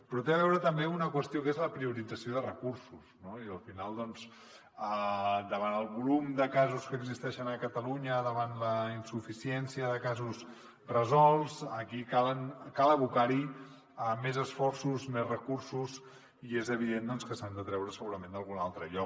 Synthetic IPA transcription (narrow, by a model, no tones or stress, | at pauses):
pɾɔt̪eəβ̞ɛwɾət̪əmbeunəkwəst̪ijokezləpɾiuɾid͡zəsioðərəkuɾsusnoiəlˠfinalˠd̪ɔns | əd̪əβanəlˠβulumd̪əkazuskəːɡzist̪ɛʃənəkət̪əluɲəðəβanləinsufisiɛnsiəðəkazus | rəzɔlˠsəkikalənkalˠəβukaɾi | əmezəsfɔrsuzmezrəkursuz | iezəβiðend̪ɔnskəsand̪ət̪ɾɛwɾəsəɣuɾəmẽnd̪əlˠɣunalˠt̪ɾəʎɔk̚